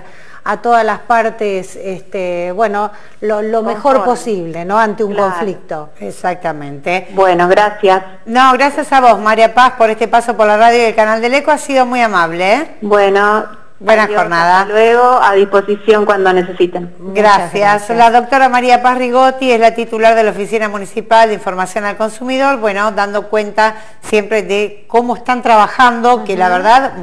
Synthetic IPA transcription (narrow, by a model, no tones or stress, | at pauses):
at̪oðalaspaɾt̪esest̪ebweno | lolommexo̞ɾposiβ̞lenoant̪euŋko̞ɱflik̚t̪o̞ | esak̚t̪amẽnt̪ebwenoɣɾasjas | noɣɾasjasaβo̞zmaɾjapaspo̞ɾest̪epaso̞poɾlaraðjojelkanald̪elekoasiðo̞mujamaβlebweno | bwwenaoɾnaðalweɣoaðisposisjoŋkwand̪onesesit̪en | ɡɾasjaslaðo̞k̚t̪o̞ɾamaɾiapasriɣot̪iezlat̪it̪ulaɾðelaofisinamunisipald̪eiɱfo̞ɾmasjo̞nalko̞nsumiðo̞ɾbwe̞no̞d̪and̪o̞kwe̞nt̪a | sje̞mpɾeðe | ko̞moest̪ant̪ɾaβaxand̪o̞kelaβeɾðað